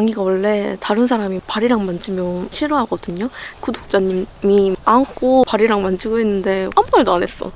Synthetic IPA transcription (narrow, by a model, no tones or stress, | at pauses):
aŋiɡawʌɭːe̞taɾɯns̬ʰaɾamipaɾiɾaŋmand͡ʑimjʌɕʰiɾoɦaɡʌdɯɲokudok̚t͡ɕ͈aɲimmiaŋkʰopaɾiɾaŋmand͡ʑiɡoɦenːɯnde̞hambaɭdoane̞s͈ʌ̰